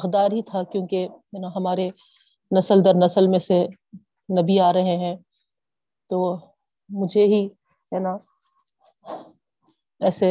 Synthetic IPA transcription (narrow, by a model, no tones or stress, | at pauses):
xd̪aːɾɦit̪ʰakjõːkejɐnaɦɐmaːɾe | nɐsəld̪ɐɾnɐsəlmẽse | nɐbiaːɾɐɦẽɦɛ̃ː | t̪oː | mʊd͡ʒʱeɦi | jɐna | ɛːse